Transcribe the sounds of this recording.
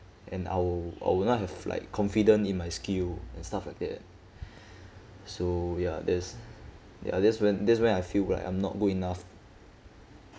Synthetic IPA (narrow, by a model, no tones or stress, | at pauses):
ʔɛ̰̃na̰ɪwia̰jwinɔt̚ɦɛvla̰ɪkʰːɔ̃nfidə̃nĩnmajskilɛ̃nstaflaɪk̚dɛ̰t̚ | sojadɛs | ja̰dɛtswɛ̃ndɛts̬wɛ̃najfilla̰ɪkã̰ɪ̃mnɔ̰t̚ɡoĩnaf